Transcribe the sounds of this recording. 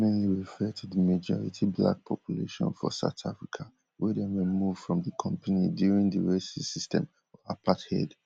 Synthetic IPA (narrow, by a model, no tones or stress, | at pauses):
mɛniɹifɛd̚tʰuðəmed͡ʒɔɹḭtʰibla̰k̚pʰɔpʰjulḛʃɔ̰̃nfɔ̰sa̰ʊtʰafɹikʰa | wɛdɛ̃nwɛmuv̥fɹɔ̃mdəkʰɔ̃mpʰanidjuɹĩŋdəɹesisistɛ̰̃m | apʰathɛ̰d